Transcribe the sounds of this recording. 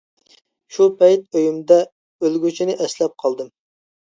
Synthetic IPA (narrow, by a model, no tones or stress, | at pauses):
ʃupʰɛjt̪̚øjymd̪ɛ | ølɡʲyt͡ʃʰinɪʔɛslɛp̚qʰɑlˠd̪ɨm